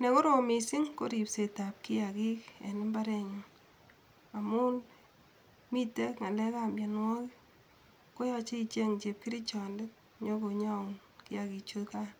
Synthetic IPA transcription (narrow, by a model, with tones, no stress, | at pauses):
ne˨ko˦ɾo˨mi˨si˦ŋko˦ɾi˨pse˨ta˨p̚ki˦ja˨ki˦kḛ˨nɪ˦mba˦ɾɛ˨ɲʊ˨ŋ | a˨mʊ˦l | mi˦te˦kŋa˨lɛ˦ka˦mbja˨nŋɔ˦k | ko˦ja˦t͡ʃe˦it͡ʃe˦ŋt͡ʃe˨p̚ki˦ɾi˦t͡ʃɔ˨nde˦t̚ | ɲɔ˦ko˨ɲa˦u˨n | kɪ˦ja˨ki˨t͡ʃu˦tka˦